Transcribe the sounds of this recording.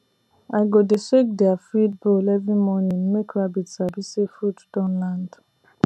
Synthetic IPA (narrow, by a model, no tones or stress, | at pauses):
aɡodesek̚deafid̚bolɛvĩmɔnĩm̩mekʰɾabitsabisefutd̥ɔ̃nlãnd